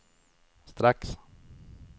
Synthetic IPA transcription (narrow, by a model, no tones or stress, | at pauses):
st̪ɾaks